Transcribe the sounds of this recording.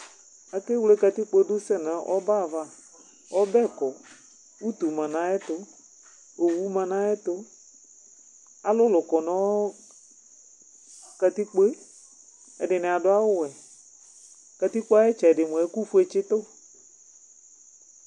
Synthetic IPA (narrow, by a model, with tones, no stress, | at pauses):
a˨ke˦wle˦ka˧t̪i˦k͡pe˦dʊ˦sɛ˦na˨˦ʔɔ̰˦ba˦˨va˦ | ɔ˦bɛ˦˨kɔ˨ | u˦t̪u˨mã˨nã˨˦ɛ˦t̪ʊ˨˦ | o˨wu˦mã˨nã˦ɛ˦t̪ʊ˦ | a˨lʊ˦lʊ˨kɔ˨nɔ̃˦ | ka˨t̪i˦k͡pe˦ | ɛ̰˨dɪ˨nɪ˨a˨dʊ˦a˦wʊ˦wɛ˨ | ka˨t̪i˦k͡po˦a˦ɛ˦t͡ʃɛ˨dɪ˨mũ˨ɛ˨˦ku˦fu˦e˨t͡ʃɪ˦t̪ʊ˦